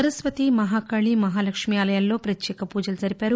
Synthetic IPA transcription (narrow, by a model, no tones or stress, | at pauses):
ɐɾɐsʋɐt̪imɐɦaːkɐɭimɐɦaːlɐkʂmijaːlɐjalːo̞ːpɾɐt͡ʃjɛːkɐpuːd͡ʒɐlud͡ʒɐɾipaːɾu